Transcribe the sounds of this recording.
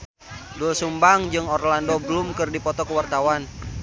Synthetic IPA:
dulsumbaŋd͡ʒɨŋɔrlandɔbəlʊmkɨrdipɔt̪ɔkəwart̪awan

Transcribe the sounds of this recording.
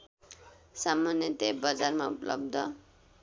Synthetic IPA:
samːanjʌt̪ebʌd͡zarmaṵplʌ̰bd̪ʱʌ

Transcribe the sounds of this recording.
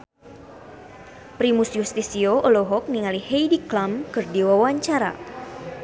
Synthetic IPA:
pɾimusjust̪isioʔoloɦɔk̚niŋalihejdiklamkɨrdiwawaɲt͡ʃaɾa̰

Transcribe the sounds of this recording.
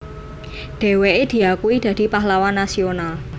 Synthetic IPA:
ɖ̪̥e̤weʔed̪̥i̤akuwid̪̥ä̤d̪̥i̤paɦlawanːasional

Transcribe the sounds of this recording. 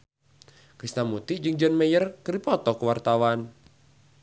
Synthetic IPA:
kɾist̪amut̪id͡ʒɨŋd͡ʒɔnmɛjərkəɾipɔt̪ɔkəwart̪awan

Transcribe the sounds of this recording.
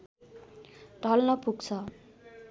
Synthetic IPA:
ɖʱʌlnʌpuɡt͡sʰʌ

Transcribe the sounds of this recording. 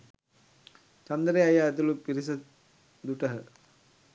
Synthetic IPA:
t͡ʃɐnd̪əɾeajaːt̪ulupiɾis̬ɐ | d̪uʈəɦə

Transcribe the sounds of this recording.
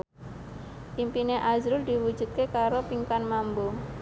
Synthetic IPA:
ʔimpineʔazɾʊld̪iwud̥d͡ʒ̥ṳt̪̚kekaɾopiŋkanmambo

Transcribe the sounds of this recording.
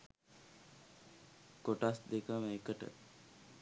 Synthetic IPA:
koʈasd̪ekəməekəʈə̰

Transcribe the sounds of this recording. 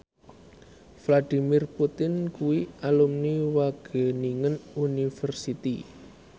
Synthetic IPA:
flad̥imirput̪ɪnkuwialumniwaɡ̥e̤niŋənunifərsit̪i

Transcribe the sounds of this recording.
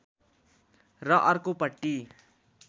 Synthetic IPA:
rʌʔʌrkopʌʈːi

